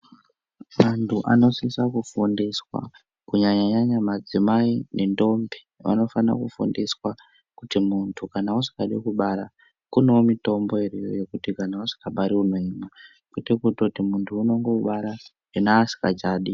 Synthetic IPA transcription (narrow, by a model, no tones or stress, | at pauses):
mantʰuʔa̰no̞sisakufundiswa̰ | kuɲaɲaɲaɲamad͡zimainendo̞mbi̥ | ʋa̰no̞fana̰kufṵndiswa | kutimuntʰukanausi̥kaɗikuɓaɾa | kuneomito̞mbo̞erejo̰jekutikanausi̥kaɓaɾiuno̞ɲima | kwitekutotimuntʰuːno̞ŋɡoɓaɾa | inaːsi̥ka̰d͡ʒaːɗi